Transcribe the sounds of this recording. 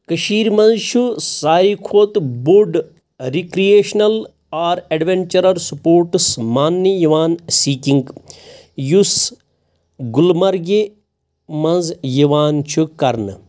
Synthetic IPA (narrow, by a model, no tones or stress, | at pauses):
kɐʃiːɾmɐ̃nzt͡ʃʰusaːikʰoːt̪buɖ | ɾikɾijeːʃnɐl | aːɾɐɖʋeɳt͡ʃɐɾɐɾsupoːɾʈsmaːnːijiʋaːnsiːkiŋɡ | jus | ɡulmɐɾɡe | mɐ̃nzjiʋaːnt͡ʃʰukɐɾnɨ